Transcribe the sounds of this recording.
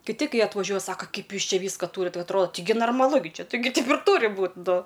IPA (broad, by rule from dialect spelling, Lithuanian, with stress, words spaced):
kʲɪˈtʲɪ ˈkɐɪ ɐtʋɐˈʒʲuɔj ˈsɑːkɐ ˈkɐɪp ˈjuːs ˈt͡ʃʲɛ ˈʋʲiːskɐ ˈtuːrʲɪt ˈʋɐ ɐtˈroːdɐ ˈtʲɪɡʲɪ nɐrmɐˈlˠʊ ɡʲɪ ˈt͡ʃʲɪ ˈtʲɪɡʲɪ tɐɪp ɪr ˈtuːrʲɪ ˈbuːt ˈnʊ